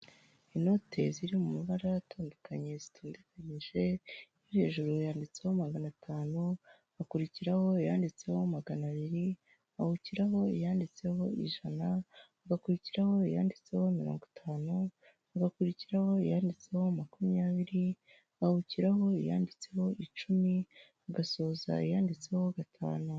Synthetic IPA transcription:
ino̞tʰe̞ziɾimumiβaɾaataːndokaɲe̞zi̥tʰuːndekaɲiʒe̞ijihe̞ːʒuɾojaːndit͡se̞homaɡanatʰaːnu | βakuɾiciɾaho̞ijaːndit͡se̞ho̞maɡanaβiɾi | βahuciɾaɦo̞ḭjaːndit͡se̞ho̞ḭʒanaaɡakuɾiciɾaho̞ija̰ːndit͡se̞ho̞imiɾo̞̰ːŋɡotʰaːnu | aɡakuɾiciɾaho̞ijaːndit͡se̞ho̞makumjaːβiɾi | ahuciɾaɦo̞ija̰ːndit͡se̞ho̞it͡ʃumi | aɡaso̞ːza̰ijaːndit͡se̞ho̞ɡatʰa̰ːnu

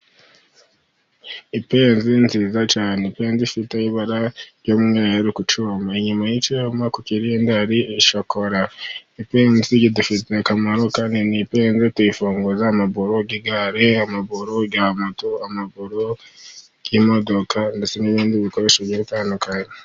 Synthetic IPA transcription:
ipe̞ːnzinziːzat͡ʃaːnepe̞ːnzifiteiβaɾaɾjomŋejeɾikut͡ʃumaiɲumajit͡ʃumakuciɾijendaɾiiʃoko̞ɾaipe̞ːnziɟidufitekamaɾo̞kaːndinipeːnzitifuːŋɡozaːmaβuɾoɡiɡaɾeamaβuɾoɡaːmutoamaβuɾo | j̥imo̞do̞kandet͡se̞niβiːndiβiko̞ɾe̞ʃeβjiɾitaːndukaɲe

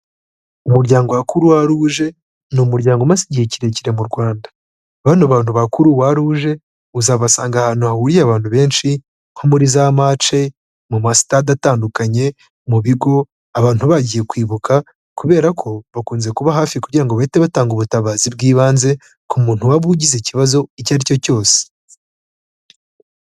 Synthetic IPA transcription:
umuɾɟaːŋɡoakuɾuwaɾuːʒe̞ | numuɾɟaːŋɡomasiɟieciɾe̞ciɾe̞muɾɡwaːnda | βanoβaːn̥huβakuɾuwaɾuʒe̞ | uzaβasaːŋɡahanuhawuɾiaβaːnhuβe̞ːnʃi | ŋ̥ho̞muɾizamaːt͡ʃe̞ | mumasi̥tadataːndukaɲe̞ | muβiɡo̞ | aβaːn̥huβaɟije̞kwiːβukʰa | kuβe̞ːɾakʰo̞βakuːnze̞kuβaɦaːfikuɟiɾaŋɡoβaite̞βataːŋɡuβutaβaːzibɡiːβaːnze̞ | kumuːn̥huwaβuɟizeciβazo̞icaɾico̞co̞ːse̥

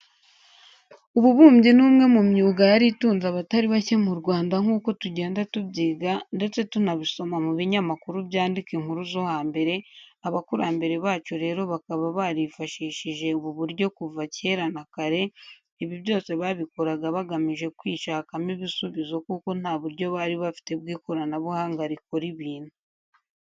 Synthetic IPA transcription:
uβuβuːmɟinuːmŋe̞mumɲuːɡajaɾituːnzaβataɾiβace̞muɾɡwaːndaŋuːko̞tuɟe̞ːndatubɟiːɡande̞t͡se̞tunaβiso̞mamuβiɲamakuɾubjaːndikiŋhuɾuzo̞haːmbe̞ɾe̞aβakuɾaːmbe̞ɾe̞βaːt͡ʃoɾe̞ːɾo̞βakaβaβaɾifaʃiːʃiʒe̞uβuβuɾɟo̞kuvace̞ɾanakaɾe̞ | iβiβjo̞ːse̞βaβikoɾaɡaβaɡamiʒe̞kwiːʃakamiβisuβizo̞kuko̞n̥aːβuɾɟo̞βaɾiβafi̥te̞b̚ɡiːko̞ɾanaβuhaːŋɡaɾikoɾiβiːn̥hu

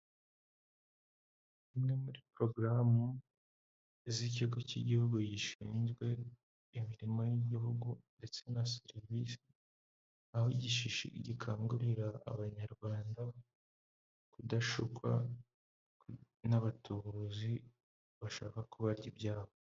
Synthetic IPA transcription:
imŋe̞muɾipɾo̞ɡɾamu | ziciɡocḭɟihuɡuɟiʃiːnzɡwe̞ | imiɾimojiɟiɦuɡunde̞t͡se̞naseɾivisi̥ | ahoɟiʃiʃḭɟikʰaːŋɡuɾiɾa̰ːβaɲaɾɡwaːnda | kudaʃukwa̰ | k | naβatuuzi | βaʃaːkakuβaɾɟibɟaːβo

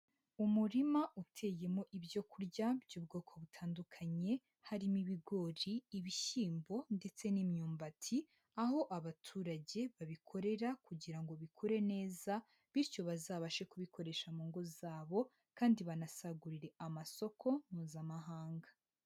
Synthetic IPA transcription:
umuɾimaʔutʰe̞ːje̞mo̞ʔiβjo̞kuɾɟabjuːbɡo̞ːkʰo̞βutʰaːndukʰaɲe̞ | haɾimiβiɡo̞ɾiːβiʃiːmbo̞nde̞t͡se̞nimɲuːmbatʰi | aɦo̞ʔaβatʰuːɾaɟe̞βaβikʰo̞ɾe̞ɾakuɟiɾaŋɡo̞βikʰuɾe̞ne̞ːza | βiɾco̞βazaːβaʃe̞kuβikʰo̞ɾe̞ʃamuːŋɡo̞zaːβo̞ | kaːndiβanasaɡuɾiɾe̞ʔamaso̞kʰo̞muːzamaɦaːŋɡa

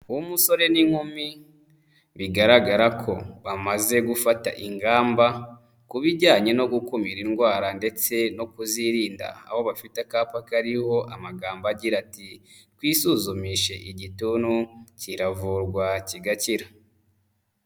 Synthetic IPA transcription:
uumuso̞ɾe̞niŋ̥humi | βiɡaɾaɡaɾakʰo̞βamaze̞ɡufata̰ʔiŋɡaːmba | kuβiɟaːɲe̞no̞ɡukumiɾinɡwaːɾande̞t͡se̞no̞kuziɾiːnda̰a̰ho̞βafitakaːpakaɾiho̞ʔamaɡaːmbaɟiɾati | twiːsuzumiʃe̞ʔiɟituːnuciɾavuɾɡwaciɡaciɾa

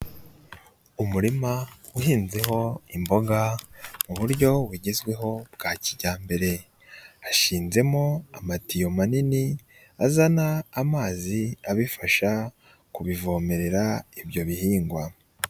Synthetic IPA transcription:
umuɾimauhiːnze̞ɦo̞imbo̞ɡamuβuɾɟo̞wiɟe̞zɡwe̞ɦo̞bɡaːciɟaːmbe̞ɾe̞ | aʃiːnze̞mo̞a̰matijo̞manini | azanaːmaːziaβifaʃa | kuβivo̞ːme̞ɾe̞ɾaibjo̞βihiːŋɡwa

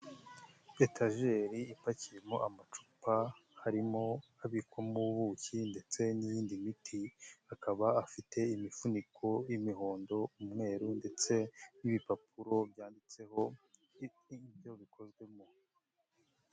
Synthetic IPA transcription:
betʰaʒe̞ɾiːpacijemo̞ʔamat͡ʃu̥pahaɾimo̞aβikwamuβuːcinde̞t͡se̞nijiːndimitʰiakaβaːfite̞imifunikʰo̞jimiɦo̞ːndo̞umŋe̞ːɾunde̞t͡se̞niβipapuɾo̞bjaːndit͡se̞ho | bjo̞βikʰo̞zɡwe̞mo̞

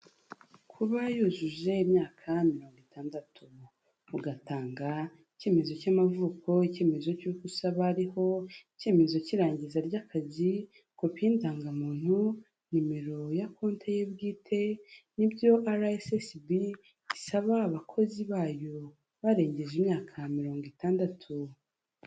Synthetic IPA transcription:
kʰuβajuzuʒe̞imɲaːkʰamiɾo̞ːŋɡitʰaːndatʰu | uɡataːŋɡa | ice̞ːme̞zo̞camavuːko̞ice̞ːme̞zo̞cuːkusaβaɾiho̞ice̞ːme̞zo̞ciɾaːɲɟizaɾɟakʰazi | kopiːndaːŋɡamuːn̥hu | nime̞ɾo̞jakʰoːntʰejebɡiːtʰe̞nibɟo̞ʔaɾaesesbi | ɟisaβaːβakʰo̞ziβaːjo̞ | βaɾe̞ːɲɟe̞ʒimɲaːkʰamiɾo̞ːŋɡitaːndatʰu

